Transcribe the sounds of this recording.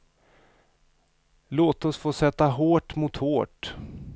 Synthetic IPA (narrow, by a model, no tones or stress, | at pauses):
loːt̪ɔsfoːsɛt̪ːaɦoːʈmʊt̪hoːʈ